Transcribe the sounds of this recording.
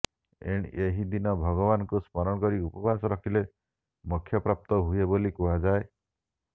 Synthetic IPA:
ḛɽ̃eɦid̪inɔbʱɔɡɔbanɔŋkuspɔɾɔɽ̃ɔkɔɾiupɔbʱasɔɾɔkʰile | mukʰːjɔpɾap̚t̪ɔɦujebolikuɦad͡ʒae

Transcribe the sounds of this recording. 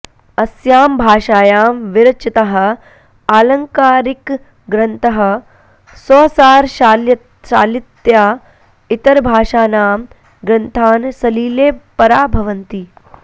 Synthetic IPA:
ɐsjaːmbʱaːʃaːjaːmʋiɾɐt͡ʃit̪ɐɦɐ̆ | aːlɐŋkaːɾik | ɡɾɐnt̪ʰɐɦɐ̆ | sɔːsaːɾʃl | ʃa̰ːlit̪jaː | it̪ɐɾbʱaːʂaːnaːm | ɡɾɐnt̪ʰaːnsɐliːleːpɐɾaːbʱɐʋɐnt̪i

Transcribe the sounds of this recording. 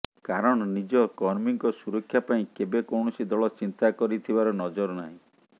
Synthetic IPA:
kaɾɔɽ̃ɔnid͡ʒɔkɔɾmiŋkɔsuɾɔkʰːjapaĩkebekɔwɳɔsid̪ɔɭɔt͡ʃint̪akɔɾit̪ʰibaɾɔnɔd͡ʒɔɾɔnaɦĩ

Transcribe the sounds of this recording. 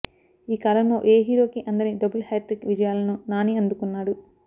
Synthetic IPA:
iːkɐlɐmloːʔeːɦiːɾo̞ːkiʔɐnd̪ɐɾnid̪ɐbulhaːʈɾikʋid͡ʒɐjaːlɐnunaːniɐnd̪ukunːaːɽu

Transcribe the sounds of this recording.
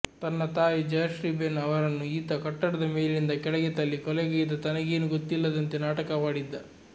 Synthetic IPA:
t̪ɐnːɐt̪aːjid͡ʒɐjɐʃɾiːbenɐʋɐɾɐnːuiːt̪ɐkɐʈːɐɽɐd̪ɐmeːlind̪ɐkɛɭɛɡɛt̪ɐlːikɔlɛɡɐɡid̪ɐt̪ɐnɐɡe̞ːnuɡot̪ːilːɐd̪ɐnt̪enaːʈɐkɐmaːɽid̪ːɐ

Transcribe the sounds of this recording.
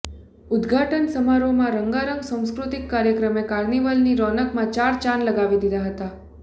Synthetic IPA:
ʊd̪ɡʱaʈənsəmaɾomãɾəŋɡaɾəŋɡsãw̃skɾut̪ikːaɾjəkɾəmekaɾniʋəlniɾɔnəkmãt͡ʃaɾt͡ʃanləɡaʋid̪id̪aɦət̪a

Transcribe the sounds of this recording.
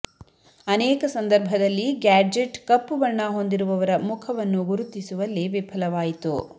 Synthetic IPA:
ɐnɛːkɐsɐnd̪ɐɾbʱɐd̪ɐlːiɡaːd͡ʒeʈkɐpːʋɐɳːɐɦond̪iɾuʋɐʋɐɾɐmukʰɐʋɐnːuɡuɾut̪ːisuʋɐlːiʋipʰɐlɐʋaːjit̪u

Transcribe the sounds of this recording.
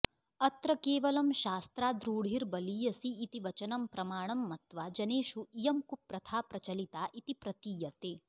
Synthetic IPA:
ɐt̪ɾɐkeːʋɐlɐmʃaːst̪ɾaːd̪ɾuːɽ̤iɾbɐliːjɐsiːt̪iʋɐt͡ʃɐnɐmpɾɐmaːɳɐmːɐt̪ʋad͡ʒɐneːʃuijɐmkupɾɐt̪ʰaːpɾɐt͡ʃɐlit̪aːʔit̪ipɾɐt̪iːjɐt̪eː

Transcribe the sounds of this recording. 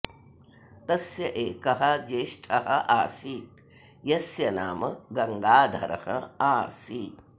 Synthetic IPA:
t̪ɐsjɐʔeːkɐɦɐd͡ʒeːʃʈʰɐɦɐʔaːsiːt̪̚ | jɐsjɐna̰ːmɐɡɐŋɡaːd̪ʱɐ̰ɾɐ̰hɐ̰aːsiːt̪

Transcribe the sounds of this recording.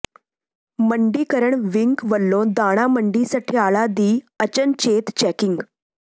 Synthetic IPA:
məɳɖiːkəɾəɳʋiŋkʋəlːõd̪aɽ̃aməɳɖisaʈʰiːaɭad̪iːət͡ɕənt͡ɕet̪t͡ɕækiŋɡ

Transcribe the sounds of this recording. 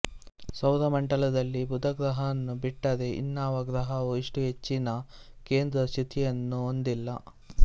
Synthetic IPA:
sɐwɾɐmɐɳʈɐlɐd̪ɐlːibud̪ʱɐɡɾɐɦɐɐnːubiʈːɐd̪e̞ʔḭnːaːʋɐɡɾɐɦɐʋuiʂʈuɦe̞t͡ʃːinɐke̞ːnd̪ɾɐsit̪ʰijɐnːuond̪ilːɐ

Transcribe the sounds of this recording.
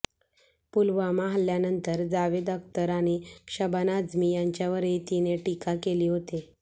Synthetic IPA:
pulʋamaɦəlːjanənt̪əɾd͡zaʋed̪əkt̪əɾaɽ̃ikɕəbanad͡zmiːjaɲt͡ɕjaʋəɾet̪ineʈikakeliːɦot̪e

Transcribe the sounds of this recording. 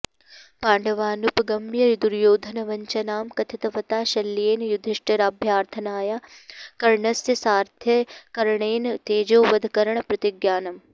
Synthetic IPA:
paːɳɖɐʋaːnupɡɐmjɐɾid̪uɾjoːd̪ʱɐnɐʋɐɲt͡ʃɐnaːmkɐt̪ʰit̪ɐʋɐt̪aːʃɐlːjeːnjud̪ʱiʂʈɐɾaːbʱjaːɾt̪ʰɐnaːjaːkɐɾɳɐsjɐsaːɾt̪ʰjɐkɐɾɐɳeːnt̪eːd͡ʒoːʋɐd̪ʱɐkɐɾɐɳɐpɾɐt̪iɡjaːnɐm

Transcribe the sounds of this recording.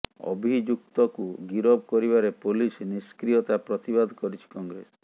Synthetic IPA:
ɔ̰bʱid͡ʒuk̚t̪ɔkuɡiɾɔbɔkɔɾibaɾepolisniskɾijɔt̪apɾɔt̪ibad̪ʱkɔɾit͡ʃʰi̥kɔŋɡɾes

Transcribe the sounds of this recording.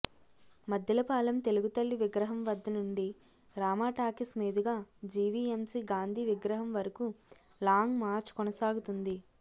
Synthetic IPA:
mɐd̪ʱjɐlɐpaːlɐmt̪e̞luɡut̪ɐlːiʋiɡɾɐɦɐmʋɐd̪ʱːɐnuɳɖi | ɾaːmaːʈaːkismiːd̪iɡaːd͡ʒiːʋiemsiɡaːnd̪ʱiʋiɡɾɐɦɐmʋɐɾɐku | laːŋɡmaːɾt͡ʃkɔnɐsaːɡut̪und̪i

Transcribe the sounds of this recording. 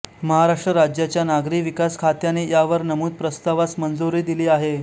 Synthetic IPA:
məɦaɾaʂʈɾəɾad͡ʑjat͡ɕjanaɡɾiːʋikaskʰat̪janejaʋəɾnəmuːd̪̚pɾəst̪aʋat͡smənd͡zuɾiːd̪iliːaɦe

